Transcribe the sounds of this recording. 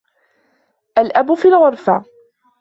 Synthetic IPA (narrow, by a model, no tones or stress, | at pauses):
ʔalʔabʊfiːlɣʊɾˤfa